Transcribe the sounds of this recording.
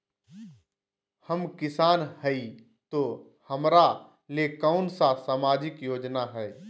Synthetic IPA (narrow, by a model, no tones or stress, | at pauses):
həmkɪsaːnhɛi | t̪oː | həmɾa | leːkəʊnsasaːmaːd͡ʒɪkjoːd͡ʒnaɦɛː